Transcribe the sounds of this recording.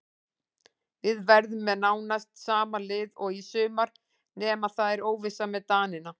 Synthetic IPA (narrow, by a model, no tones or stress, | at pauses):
vɪðvɛɾðʏmːɛðnaːwnast̪saːmalɪːðɔɣisʏːmaɾ̥ | nɛːmaðθaðɛɾoːwvɪsamɛðt̪aːnɪna